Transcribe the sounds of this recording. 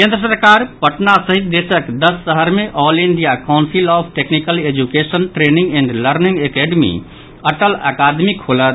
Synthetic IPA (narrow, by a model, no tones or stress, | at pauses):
kẽnd̪ɾəsəɾkaɾpəʈnasəɦit̪̚d̪esəkd̪əsːəɦəɾmeʔɔliɳɖijakãʊnsilɔbʰʈeknikəled͡ʒukesənʈɾenĩŋɡɛɳɖləɾnĩŋɡekeɖmḭ | əʈələ̰kad̪mikholət̪